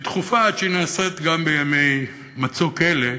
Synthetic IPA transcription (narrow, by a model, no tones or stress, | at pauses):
t̪χufaʃenaːset̪ɡambejamej | mat͡sokele